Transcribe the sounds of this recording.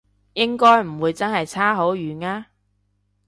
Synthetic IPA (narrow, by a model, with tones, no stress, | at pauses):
jɪ˥ŋkɔː˥jm̩˨˩wuː˨˧jt͡sɐ˥nɦɐ˨jt͡sʰaː˥ɦo˨˥wjyː˨˩naː˥